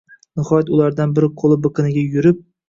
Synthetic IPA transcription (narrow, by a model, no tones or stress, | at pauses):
nɪhɒjat̪ʊlaɾd̪anbɪɾɪqʰolˠɪbɨqʰɨnɪɡʲajʊɾɪp̚